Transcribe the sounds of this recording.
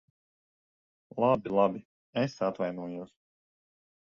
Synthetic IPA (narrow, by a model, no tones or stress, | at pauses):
lˠabʲilˠabʲi | esat̪vajnuɔjuɔs